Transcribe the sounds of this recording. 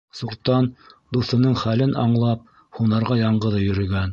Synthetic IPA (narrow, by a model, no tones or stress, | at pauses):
suɾt̪ːɑnd̪uθɤ̆nɤɴχælɘnɑɴlˠɑp̚ | hunɑɾʁɑjɑɴɢɤ̆ðɤjɵ̆ɾɵ̆ɡæn